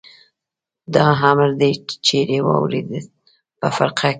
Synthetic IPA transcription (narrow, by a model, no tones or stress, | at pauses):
d̪ɑɦamɾd̪ejt͡ʃt͡ʃeɾewɑ̰wɾḛd̪əl | pəfa̰ɾqʰa